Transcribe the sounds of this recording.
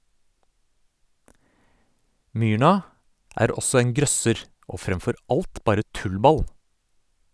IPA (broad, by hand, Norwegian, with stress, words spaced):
ˈmyːɳɑ ˈæːɾ ˈɔsɔ ˈeːŋ ˈɡɾœsəɾ ˈoː ˈfɾɛmfɔɾ ˈɑlt ˈbɑːɾə ˈtʉlˌbɑl